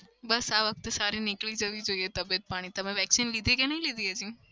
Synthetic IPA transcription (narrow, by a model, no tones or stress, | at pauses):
bɐsaʋək̚t̪saːɾinɪklid͡ʒɐʋid͡ʒoiet̪ɐbet̪̚paːɽ̃ĩt̪ɐm̤ẽʋɛːksinlid̪ʱekẽnɐɦĩlid̪ʱiəd͡ʒĩ